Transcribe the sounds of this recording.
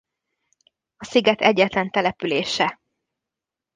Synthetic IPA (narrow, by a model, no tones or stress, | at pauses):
ɒsiɡɛt̪ɛɟːɛt̪lɛnt̪ɛlɛpyleːʃɛ